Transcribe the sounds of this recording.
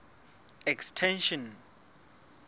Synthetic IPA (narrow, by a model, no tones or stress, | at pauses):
ɛkstʰɛ̃nʃɔn